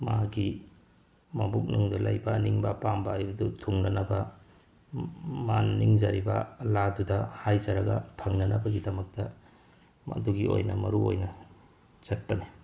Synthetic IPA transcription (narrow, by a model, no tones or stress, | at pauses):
maɡi | mɐbuk̚nuŋdɐlajbɐniŋbɐpambɐajbɐdutʰuŋnɐnɐbɐ | manːiŋd͡ʒaɾibɐ̰ladudɐhajd͡ʒɐɾɐɡɐ̰pʰaŋnɐnɐbɐɡidɐmɐk̚tɐ | ɐ̰duɡio̰jnɐmɐ̰ɾuo̰jnɐ | z̥ɐt̚pɐni